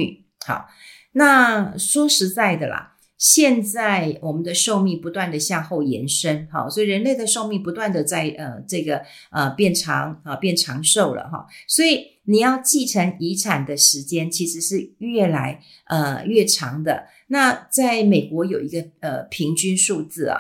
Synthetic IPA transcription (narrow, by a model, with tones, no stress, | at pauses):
ɑ̰˨˩ | na˥˩ʂwɔ˥ʂɻ̩˧˥t͡sa˥˩ɪd̪ə˩lɐ̰˨˩ | ɕjɛ˥˧nt͡sa˥˩ɪwɔ˨˩mə˨nd̪ə˧ʂo˥˧ʊmi˥˩ŋpu˧˥t̪wa˥˩nd̪ə˩ɕja˥˧xo˥˩ʊjɛ̰˧˥nʂə˦nxɑ̰˥˩swɔ˧˥i˨˩ɻə˧˥nle˥˩ɪd̪ə˩ʂo˥˧ʊmi˥˩pu˧˥t̪wa˥˩nd̪ə˩t͡sa˥˧ɪʔə˩ʈ͡ʂɤ˥˩ɡə˩ | ə˩pjɛ˥˩nʈ͡ʂʰɑ˧˥ŋə˧pjɛ˥˩nʈ͡ʂʰɑ˧˥ŋʂo˥˩ʊlə̰˩xɑ̰˧˩swɔ˧˥i˨˩ | ni˨˩jɑ˥˧ʊt͡ɕi˥˩ʈ͡ʂʰɤ˧˥ŋi˧˥ʈ͡ʂʰa˨˩nd̪ə˩ʂɻ̩˧˥t͡ɕjɛ˥nt͡ɕʰi˧˥ʂɻ̩˧˥ʂɻ̩˥˧ɥɛ˥˩la˧˥ɪ | ʔə˧ɥɛ˥˩ʈ͡ʂʰɑ˧˥ŋd̪ə˧ | na˥˧t͡sa˥˩ɪme˨˩ɪkwɔ˧˥jo˨˩ʊi˧˥ɡə˧ə˩pʰi˧˥ŋt͡ɕy˥nʂu˥˧t͡sɹ̩˥˩ɐ̰˨˩